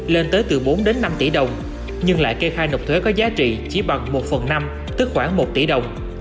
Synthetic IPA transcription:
le˧nt̪əː˨˦jt̪ɨ˨˩ɓo˨˦nɗe˨˦nːa˧mt̪i˧˩ɗə˨˩wŋ͡m | ɲɨ˧ŋla̰ː˧˨jke˧xaː˧jnə˨˩w̚k͡p̚t̪ʰe˨˦kɔ˨˦zaː˨˦t͡ɕḭ˧˨t͡ɕi˧˩ɓa˨˩ŋmo˨˩t̚fə˨˩nna˧m | t̪ɨ˦˥k̚xwaː˧˩ŋmo˨˩t̚t̪i˧˩ɗə˨˩wŋ͡m

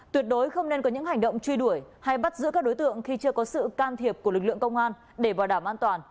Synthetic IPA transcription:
t̪wi˨˩ət̚ɗo˨˦jxə˧wŋ͡mne˧nkɔ˨˦ɲɨ̰˧˥ŋha˨˩jŋ̟ɗə̰˧˨wŋ͡mt͡ɕwi˧ɗu˧˩əjha˧jɓa˦˥t̚zɨ̰˧˥kaː˦˥k̚ɗo˨˦jt̪ɨ̰˧˨əŋxi˧t͡ɕɨ˧əkɔ˨˦sɨ̰˧˨kaː˧nt̪ʰi˨˩əp̚ku˧˩əlɨ˨˩k̚lɨ̰˧˨əŋkə˧wŋ͡mʔaː˧n | ɗe˧˩vaː˨˩ɗaː˧˩mʔaː˧nt̪waː˨˩n

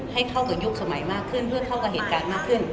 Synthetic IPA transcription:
ha˥˩jkʰa˥˩wka˧˩ju˦˥k̚sa˧ma˩˦jmaː˥˩kʰːɯ˥˩npʰɯ˥˩ɐkʰa˥˩wka˧˩ɦeː˨˦t̪̚kaː˨˧nmaː˥˩kʰɯ˥˩n

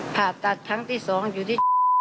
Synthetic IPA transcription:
pʰaː˨˩tt̪ːa˨˩t̪ʰːa˦˥ŋt̪ʰiː˥˩sɔː˩˦ŋjuː˨˩t̪ʰiː˥˩

